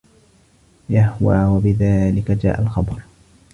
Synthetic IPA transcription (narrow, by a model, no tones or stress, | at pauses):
jahwaːwabɪðaːlɪkad͡ʒa̰ːʔalxɑbɾˤ